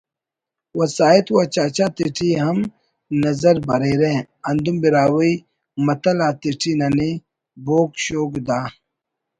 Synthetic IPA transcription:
wɐsaːit̪wat͡ɕaːt͡ɕaːt̪iʈʰiɦɐm | nɐzɐɾbɐɾeɾẽː | ɐnd̪umbiɾaːwɐi | mɐt̪ɐlaːt̪iʈʰinɐne | boːkɕoːɡud̪aː

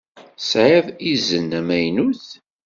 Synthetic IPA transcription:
sʕaðizənːæmæjnuθ

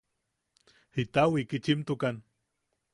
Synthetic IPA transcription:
hit̪awikit͡ʃimt̪ukan

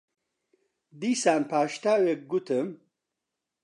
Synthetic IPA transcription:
d̪iːsaːnpaːʃt̪aːwek̚ɡut̪ʰɨm

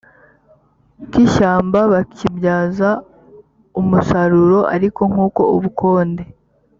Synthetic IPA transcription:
kiʃaːmbaβakibjaːza | umusaɾuɾo̞ʔa̰ɾiko̞ŋ̥uːko̞uβukʰo̞ːnde̞

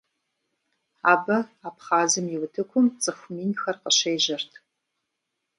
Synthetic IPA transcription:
aːbɐaːpχaːzɨmjɪwtʰɨkʷʰʊmt͡sʼɨxʷmiːnxɐrqəɕeːʒɐrtʰ

